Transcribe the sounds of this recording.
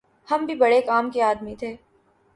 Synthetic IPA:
hɐmbʱibɐɽekaːmkeaːd̪mit̪ʰeː

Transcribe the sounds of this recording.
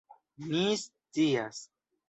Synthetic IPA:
mist͡sias

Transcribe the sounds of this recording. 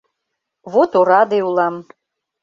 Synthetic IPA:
βot̪oɾɑd̪eulɑm

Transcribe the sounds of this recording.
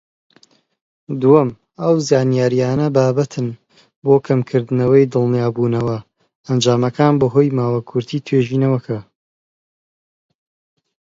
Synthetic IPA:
d̪uɐm | ɐwzaːnijaːɾijaːnɐbaːbɐt̪ʰɨn | boːkʰɐmkʰɨɾd̪ɨnɐwɐjd̪ɨlˠnijaːbuːnɐwɐ | ɐnd͡ʒaːmɐkʰaːnbɐɦoːjmaːwakʰʊɾt̪ʰiːt̪ʰweːʒiːnɐwɐkʰɐ

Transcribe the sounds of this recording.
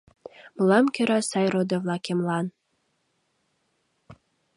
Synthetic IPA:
mlɑmkʲøɾɑsɑjɾod̪ovlˠɑkemlɑn

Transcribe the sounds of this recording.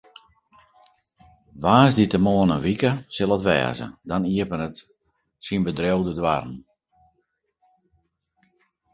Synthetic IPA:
ʋaːzditəmoənənʋikəsɪlˠətʋɛ̰ːzə̰dɔniəpənət | sinbədrowdədwa̰rn̩

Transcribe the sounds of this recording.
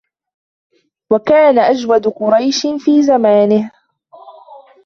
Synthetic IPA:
wakaːnaʔad͡ʒwad̪qʊɾˤɑjʃfiːzamaːnɪh

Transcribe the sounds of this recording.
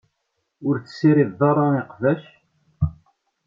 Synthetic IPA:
ʊɾθə̥sːiɾiððɑrˤːɑiqvæʃ

